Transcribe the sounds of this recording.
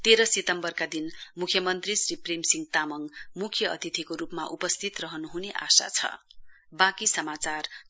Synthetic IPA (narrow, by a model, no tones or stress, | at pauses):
t̪eɾʌsit̪ʌmbʌrkad̪inmukʰjʌmʌnt̪risriprimsiŋɡt̪amʌŋmukʰjʌʌ̰t̪it̪ʰikoɾupmaʔupʌst̪ʰit̪rʌɦʌnuɦuneʔa̰sa̰t͡sʰʌ̰ | bakisʌmat͡sar